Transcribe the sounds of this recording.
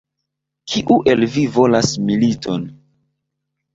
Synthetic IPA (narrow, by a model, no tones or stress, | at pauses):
kʰiʔuʔe̞lvivo̞lasmilito̞n